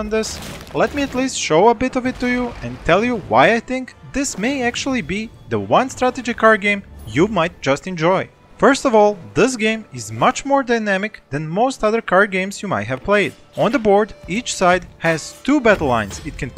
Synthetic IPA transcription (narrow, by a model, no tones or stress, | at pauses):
nd̪ɪslɛt̪miæt̪liːstʃoʊəbɪtɔvɪtːujuɛ̃ntʰɛlˠjuwa̰jajθɪ̃ŋkðɪsmeɪæk̚t͡ʃul̩ˠibi | ðəwʌ̃nst̪ɾæt̪ed͡ʒikʰɑɹɡẽɪ̃mjumaɪt̚d͡ʒʌstɛ̃nd͡ʒɔj | fɜ˞stɔvɔlˠðɪs̬ɡẽɪ̃mɪzmʌt͡ʃmɔɹdaɪjnæmɪkd̪ɛ̃nmoʊst̪ʌðə˞kɑɹɡẽɪ̃msjuma̰jthɛv̥pleɪd | ɔ̃nðəboɹdit͡ʃsaɪdhɛz̥tubætl̩lã̰ɪ̃nsɪt̚kʰɛ̃n